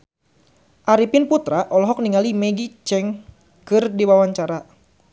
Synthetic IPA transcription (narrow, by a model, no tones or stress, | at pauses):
ʔaɾipɪnput̪ɾaʔɔlɔɦɔk̚niŋalimɛɡit͡ʃɛŋ | kɨrdiwawaɲt͡ʃaɾa